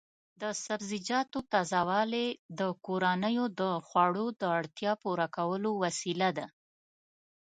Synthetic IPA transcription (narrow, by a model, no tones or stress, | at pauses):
d̪əsabzɪd͡ʒɑt̪ot̪ɑzɑwɑled̪əkoɾanəjod̪əxwɑɽod̪əaɽt̪jɑpuɾakawəlowasilad̪a